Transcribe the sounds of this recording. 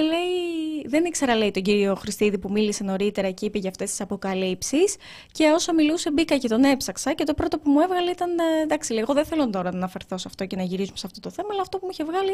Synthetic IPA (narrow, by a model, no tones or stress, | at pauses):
le̞iðe̞nikseɾɐle̞it̪o̞ɲɟiɾio̞xɾist̪iðipumilise̞no̞ɾit̪e̞ɾɐceipeʝɐːft̪e̞st̪isɐpo̞kɐlipsis | ce̞o̞sɐmiluse̞bikɐce̞t̪o̞ne̞psɐksɐce̞t̪o̞pɾo̞t̪o̞pumue̞vɣɐleit̪ɐnd̪ɐksileiɣo̞ðeθe̞lont̪o̞ɾɐnɐːnɐfe̞ɾθo̞sɐft̪o̞ce̞nɐʝiɾizumesɐft̪o̞t̪o̞θe̞mɐɐlɐːft̪o̞pumuiçevɣɐli